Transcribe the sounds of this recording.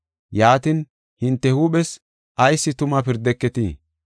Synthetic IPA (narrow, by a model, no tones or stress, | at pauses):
jaːt̪in | hɪnt̪ːɛhuːɓɛs | ɐjsːɪt̪ʊmɐpɪɾd̪ɛkːɛt̪ḭː